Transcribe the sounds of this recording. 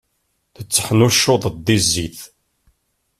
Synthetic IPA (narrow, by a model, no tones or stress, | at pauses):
θət͡sːə̥ħnuʃːoðˤd̪izːiθ